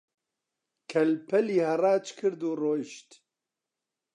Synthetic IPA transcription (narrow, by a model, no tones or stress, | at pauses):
kʰɛlpʰɛliːhɐrɑːt͡ʃkʰɨɾd̪uːroːjʃt̪